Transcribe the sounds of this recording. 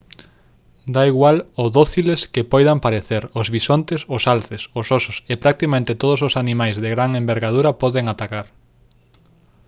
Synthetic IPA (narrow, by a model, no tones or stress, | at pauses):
d̪aiɣwaloðoθileskɪpɔjðampaɾeθeɾʊzβisont̪esʊsalθesʊsosʊsepɾak̚t̪ikamẽnt̪ɪt̪oð̞ʊsosanimajzðeɣɾaŋembeɾɣað̞uɾɐpɔðeŋat̪akaɾ